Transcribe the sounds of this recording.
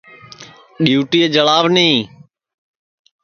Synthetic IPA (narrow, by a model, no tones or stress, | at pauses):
ɗijuːʈiːed͡ʒəlaːʋnĩː